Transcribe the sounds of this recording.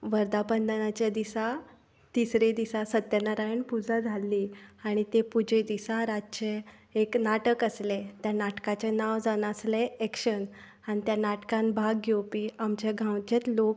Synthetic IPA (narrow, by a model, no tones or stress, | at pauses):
ʋəɾd̪apənd̪ənat͡ɕjad̪isa | t̪isɾed̪isasət̪jənaɾajiɳpud͡zad͡zʱalːiːaɽ̃it̪epud͡ʑʱed̪isaɾat͡ɕeː | knaʈəkəslet̪janaʈkat͡ɕenaʋd͡zanasleekʂən | añit̪janaʈkãnbʱaɡːowpiamt͡ɕaɡʱãwt͡ɕet̪lok̚